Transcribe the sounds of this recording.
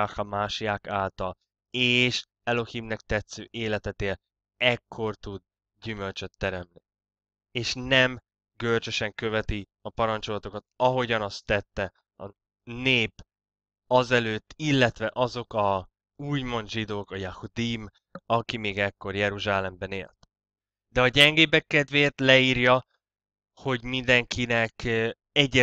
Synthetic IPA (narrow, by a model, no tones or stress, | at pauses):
axɒmaːʃijaːkaːlt̪ɒl | eːʃ | ɛlo̞himnɛk̚t̪ɛt̪søːʔeːlɛt̪ɛt̪eːl | ɛkʰːo̞rt̪ud̪ | ɟymø̞lt͡ʃøt̪ːɛɾɛmni | eːʃnɛm | ɡølt͡ʃøʃɛŋkø̞vɛt̪i | ɒpɒɾɒnt͡ʃo̞lɒt̪o̞kɒt̪ɒɦo̞ɟɒnɒst̪ːɛt̪ːɛ | ɒ | neːp | ɒzɛløːt̪ːilːɛt̪ʋɛʔɒzo̞kɒ | uːɟmo̞nd̪ʒid̪oːkɒjahud̪im | ɒkimeːɡɛkːo̞rjɛɾuʒaːlɛmbɛneːlt̪ | d̪ɛɒɟɛŋɡeːbɛkːɛd̪veːt̪lɛiːɾjɒ | ho̞ɟmind̪ɛŋkʰinɛk | ɛɟːɛ